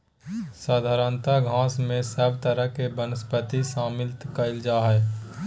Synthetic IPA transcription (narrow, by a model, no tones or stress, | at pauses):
saːd̪ʱaːɾənt̪aɡʱãːsmẽsəbt̪əɾəɦkebənəspət̪isaːmɪlt̪kəɪld͡ʒaːɦɛː